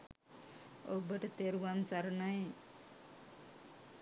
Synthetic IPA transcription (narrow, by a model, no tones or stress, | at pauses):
o̰bəʈt̪eɾʋant͡saɾnaj